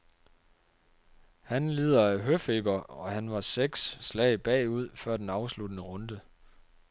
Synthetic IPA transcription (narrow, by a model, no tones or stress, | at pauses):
hænleːð̞ˠɐæɦøfeːb̥ɐɒ̽hænʋɑ̈seɡ̥sːlɛɪb̥ɛ̰ːuð̞̰ˠfɶɐ̰d̥enɑ̈ʊslud̥ənəʁɔ̽nd̥ə